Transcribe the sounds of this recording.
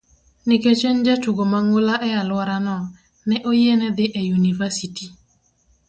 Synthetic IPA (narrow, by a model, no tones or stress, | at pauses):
nɪket͡ʃend͡ʒat͡ʃuɡomaŋolaʔɛalwaɾanɔ | nɛʔojenɛd̪ɪʔɛjunivasiti